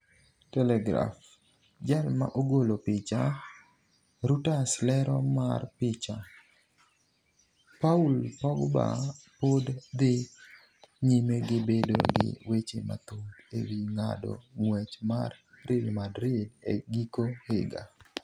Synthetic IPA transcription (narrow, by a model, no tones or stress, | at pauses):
tɛlɛɡɾa̰f | d͡ʒalma̰ʔoɡolopɪt͡ʃa | ɾutaslɛɾɔmarpɪt͡ʃa | paulpɔɡba̰podd̪ɪ | ɲimeɡɪbedo̰ɡɪ̰wet͡ʃḛma̰t̪odḛwiŋa̰dɔ̰ŋwɛt͡ʃmar | rɪlmadɾɪdeɡikohɪɡa̰